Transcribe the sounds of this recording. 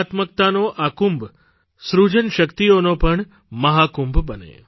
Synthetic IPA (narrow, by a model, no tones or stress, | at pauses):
at̪mək̚t̪anoʔakumb | sɾud͡ʒənʃəkt̪ionopəɳ | məɦakumbʱbənḛ